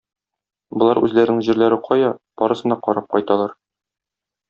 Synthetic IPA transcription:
bŏlˠɑɾʉzlæɾɘnɘŋʑiɾlæɾɘqʰɒjɑb̥ɒɾɤ̆sɤ̆nd̪ɑqɒɾɑp̚qɒjt̪ɑlˠɑɾ

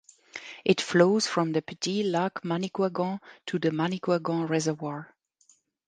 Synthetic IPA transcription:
ʔɪtfloʊz̥fɹʌ̃mðɨpʰɪtʰilakmanikwaɡɔ̃tʰuðəmanikʰwaɡɔ̃ɹɛzəvwaɹ

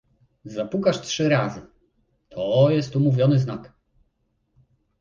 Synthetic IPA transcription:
zapukaʂtʂɘɾazɘ | t̪ʰɔjɛst̪umuvʲjɔnɘznak

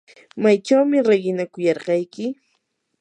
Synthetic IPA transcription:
majt͡ʃawmɪɾeɢɪnakʊjɑɾɢɑjkɪ

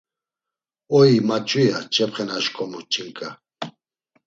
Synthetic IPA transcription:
ɔjimat͡ʃʼujat͡ʃʼɛpχɛnaʃkʼɔmut͡ʃʼiŋkʼa

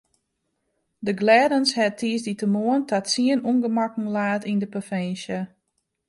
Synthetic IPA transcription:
dəɡlɛːdənshɛtʰiəsditəmoəntʰatsiənunɡəmakŋ̩laːtindəpofɛːsjə

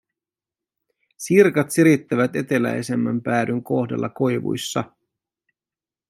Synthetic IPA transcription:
sirkɑt̪siɾit̪ːæʋæt̪e̞t̪e̞læ̰jse̞mːæmpæːdyŋko̞xdḛlːɑko̞jʋṵjsːɑ

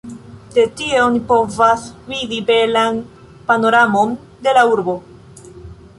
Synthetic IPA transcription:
de̞tieonipo̞vasvidibe̞lan | panoɾamo̞n | de̞lauɾbo̞

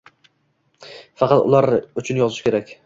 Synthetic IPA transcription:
fɑqɑt̪ʊ̰lˠaɾʊt͡ʃʰʊnjɒzɪʃkʲe̞ɾakʲ

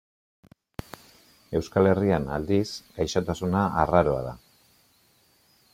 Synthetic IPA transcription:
e̞wskale̞rianald̪isɡ̥ajʃot̪asunaːraɾo̞aða̰

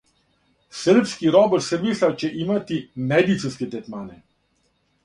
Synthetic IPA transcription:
səɾpskiɾɔːbəɾsɛmislawt͡ʃɛʔimat̪imɛd̪it̪sinskɛd̪ɛt̪maːnɛ

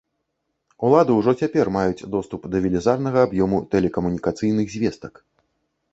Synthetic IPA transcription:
ulˠad̪ɨwʐɔt͡sʲapʲɛrmajut͡sʲd̪ɔst̪upd̪ɐvʲɛlʲɛzarnɐɣɐabjɔmut̪ɛlʲɛkɐmunʲikat̪sɨjn̪ɨɣzʲvʲɛst̪ɐk

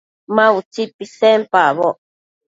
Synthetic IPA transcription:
mãut͡sipːisempaβoʔ

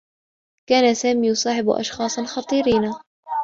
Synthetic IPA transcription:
kaːnasaːmiːjʊsˤɑːħɪb̰ʔɑ̰ʃxɑːsˤnxɑt̪ˤiːɾiːna

